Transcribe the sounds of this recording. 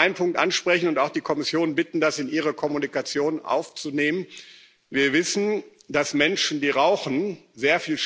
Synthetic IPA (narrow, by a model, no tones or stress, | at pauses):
aɪnəmpʰʊŋk̚tʔanʃpʁ̥ɛçn̩ʊntaʊxd̥iːkʰɔmɪsjoːnənbɪtn̩dasɪnʔiːʁɐkʰɔmunikat͡sjoːnʔa̰ʊft͡suneːmən | viːɐvɪsn̩ | d̥asmɛnʃn̩diːʁaʊxn̩zeːɐfiːlʃ